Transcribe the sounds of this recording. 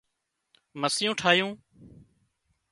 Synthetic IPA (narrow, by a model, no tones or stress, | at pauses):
məsɪjũːʈʰaːjũː